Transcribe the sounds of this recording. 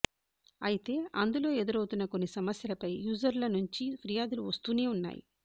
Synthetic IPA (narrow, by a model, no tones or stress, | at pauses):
ɐjit̪e̞ːʔɐnd̪ulo̞ːed̪iɾɐwt̪unːɐko̞nːisɐmɐsjɐlɐpɐjjuːd͡ʒɐɾlɐnuɲt͡ʃipɾijaːd̪uluʋɐst̪uːne̞ːunːa̰ːjḭ